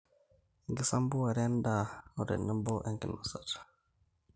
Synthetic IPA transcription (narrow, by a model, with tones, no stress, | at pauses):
ŋɡi˨sa˦mbu˦wa˨ɾe˦nda˨u˨ɾḛ˨nə˦mbo˦ʔɛ˨ŋki˨nu˨sa̰ɾ